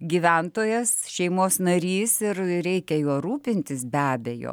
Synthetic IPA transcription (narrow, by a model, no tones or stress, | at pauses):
ɡʲiːʋʲɛnt̪oːjɛsʃʲɛɪmoːsnɐɾʲiːsɪrɾʲɛɪkʲɛjoːɾuːpʲɪnʲt̪ʲɪsbʲæːbʲɛjo̰ː